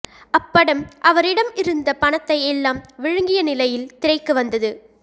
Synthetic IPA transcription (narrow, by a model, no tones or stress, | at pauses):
ɐpːɐɽɯmʔɐʋɐɾɪɽɐmɪɾɯnd̪ɐpɐɳɐt̪ːɐɪɛlːaːmʋɪɻɯŋɡɪjɐnɪlɐjɪlt̪ɪɾɐɪkːɯʋɐnd̪ɐðɯ